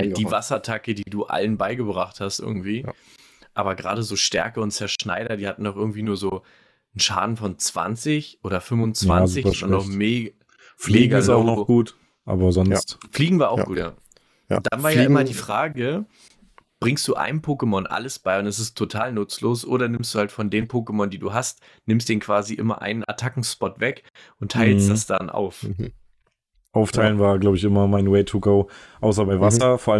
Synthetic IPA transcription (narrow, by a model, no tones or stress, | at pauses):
d̥iːvasɐtʰakədiːduːʔa̰lənbaɪɡəbʁaχthastʔɪ̰ɐɡŋ̩tv̥iː | ʔaːbɐɡʁa̰ːɾəzoːʃtɛ̰ɐkəʊntt͡sɛɐʃna̰ɪɾɐdiːhatn̩dɔʊχʔɪɐɡŋ̩tv̥iːnuːɐzoː | n̩ʃa̰ːdn̩fɔnt͡sv̥a̰nt͡sɪçʔoːɾɐfʏmvʊnt͡sva̰nzɪçanɔʊmeːɡa | fliːɡɪsaʊnɔɡ̥uːt | ʔa̰ːbɐzɔstfliːɡŋ̩vaːɐaʊɡuːtja̰ː | d̥a̰nvaːɐjɪmɐdiːfʁ̥aːɡə | b̥ʁɪŋstd̥uːʔa̰ɪnəpʰoːkəmɔnʔa̰ləsb̥aɪʊntɛs̬ɪstʰːotʰaːlnʊt͡sloːsʔoːɾɐnɪmstd̥uːhaltfɔndeːmpʰoːkəmɔndiːdṵːɦast | nɪmstd̥eːnkv̥aːziʔɪmɐ̰ʔa̰ɪnənʔa̰tʰakŋ̩spɔtv̥ɛk | ʔʊntʰːaɪlstd̥asd̥anʔa̰ʊf | ʔaʊftʰaɪlənvaːɐɡlaʊbɪçɪmɐmaɪnweɪtʰuɡoʊʔaʊs̬ɐbaɪvasɐfoːɐalə